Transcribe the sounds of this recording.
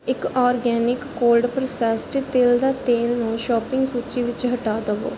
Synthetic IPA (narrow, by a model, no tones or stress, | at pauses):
ɪkɔːɾɡɛːnɪkːoːlɖpɾəsɛsʈt̪eːld̪aːt̪eːlnũːʃɔːpɪ̃ŋɡsuːt͡ʃiːʋɪt͡ʃɦəʈaːd̪əʋo̰ː